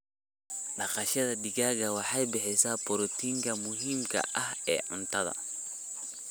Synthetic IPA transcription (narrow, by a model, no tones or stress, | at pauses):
ɗɐqɑʃɐðɐɗiɣaːɣɐwɑħɑjbɪħɪsapɔɾɔt̪iŋkɐmʊɦiːmkʰɐ̰ʔɐhɛ̰ːʔʊnt̪ʰɐðɐ̰